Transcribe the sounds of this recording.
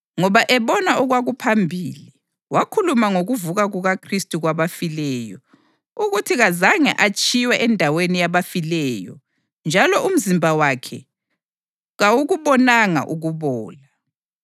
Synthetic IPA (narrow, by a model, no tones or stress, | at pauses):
ŋɔβaʔɛβɔnaʔuɣwaɣupʰambʱiːli | wakʰulumaŋoɣuvuɣaɣuɣakʰristʼuɣwaβafilɛjɔ̰ | uɣutʰiɣazaŋɛ̰ʔat͡ʃʼiwɛʔɛndʱawenijaβafilɛjɔ̰ | nd͡ʒʱalɔʔum̩zimbʱawakʰɛ̰ | ɣawuɣuβɔnaŋa̰ʔuɣuβɔːla